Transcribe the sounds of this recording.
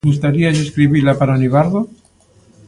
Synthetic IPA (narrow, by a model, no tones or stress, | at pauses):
us̬t̪aɾias̬eskɾiβiɾlapaɾaniβaɾðo